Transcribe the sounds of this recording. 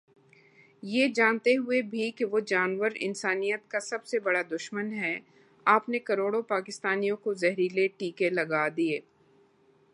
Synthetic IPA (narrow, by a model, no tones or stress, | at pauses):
jeːd͡ʒaːnt̪eɦʊebʱikeʋod͡ʒaːnʋəɾɪ̰nsaːnijət̪̚kasɐbsebɐɽad̪ʊʃmənɦɛ | aːpnekɐɾoːɽõpaːkɪst̪aːnijõkozɛɦɾileʈiːkelɐɡad̪ieː